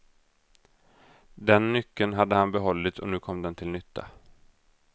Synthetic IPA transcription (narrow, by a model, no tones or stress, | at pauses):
d̪ɛnːʏkːənɦad̪ːəhanbɛɦɔlːɪt̪sɔnʉ̟ːkʰɔmːd̪ɛnt̪ʰɪlnʏt̪ʰːa̰